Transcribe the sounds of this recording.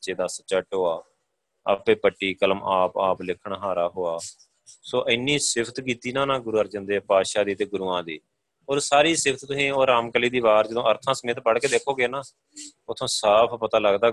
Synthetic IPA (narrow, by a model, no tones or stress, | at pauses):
t͡ʃeːd̪aːsət͡ʃːəʈɦoːaː | a̰peːpəʈːiːkələmaːpaːplɪkʰːəɳɦaːɾaːɦoːaː | soːʔəɪnːiːsɪpʰt̪kiːt̪iːnãːnãːɡʊɾuːəɾd͡ʒə̃nd̪eːpaːʃaːd̪iːt̪eːɡʊɾuːãːd̪ḭː | oːɾsaːɾiːsɪpʰt̪t̪ʊsĩːoːɾaːmkəliːd̪iːβaːɾd͡ʒəd̪õːəɾt̪ʰãːsəmẽːt̪bəɽkeːd̪eːkʰoːɡeːnaː | ʊt̪ʰːõːsaːpʰpət̪aːləɡd̪aː